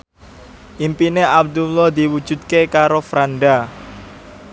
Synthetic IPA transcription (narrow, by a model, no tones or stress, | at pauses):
ʔimpineʔab̚d̪ulɔhd̪iwud̥ʒ̥ṳt̪̚kekaɾofɾanɖa